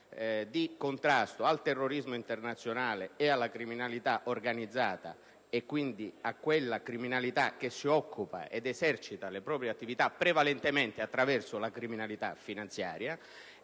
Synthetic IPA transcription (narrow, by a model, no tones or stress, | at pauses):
d̪ikont̪ɾast̪oalt̪ɛrːoɾizmoint̪ernat̪sːjonaːleealːakɾiminalit̪aʔorɡanid̪zːaːt̪a̰ | ekːwind̪iakːwelːakɾiminalit̪ak̟esːiɔkʰːupa̰ʔed̪ɛsɛrt͡ʃit̪alepɾɔːpɾjeat̪ːivit̪apːɾevalɛnt̪emɛnt̪eat̪ːɾavɛrsʊlakɾiminalit̪afinant̪sjaːɾja